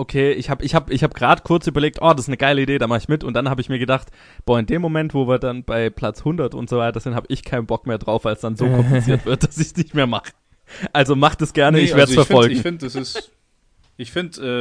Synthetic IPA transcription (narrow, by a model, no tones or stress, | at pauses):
ʔokʰeːʔɪçhaːbəɪçhaːbəɪçhaːbəɡʁaːdəkʰʊɐt͡sʔyːbɐleːk̚tʔɔːdasɪstnəɡ̥aɪləideːdɾaːmaχəɪçmɪtʊntd̥anhaːbəɪçmiːɐɡədaχt | b̥oːɐɪndeːmːomɛntv̥oːviːɐdanb̥aɪpʰl̥at͡shʊndɐtʊ̰ntz̥oːvaɪtɐɐz̥ɪnhaːbəʔɪçkʰaɪnəbɔk̚meːɐdʁaʊfalsd̥anzoːkʰɔmpit͡siːɐtv̥ɪɐt̚d̥asɪçsnɪçtmeːɐmaχə̥ | ʔalzomaχd̥asɡ̥ɛɐnəɪçveːɐəsfɛɐfɔlɡŋ̩fɪntd̥asɪs | ʔɪçfɪntʔɛː